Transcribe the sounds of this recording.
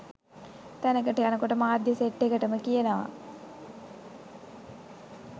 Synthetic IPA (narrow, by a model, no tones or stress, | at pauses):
t̪ænəkəʈəjanəkoʈəmaːd̪jəseʈːekəʈəməkijənəʋa̰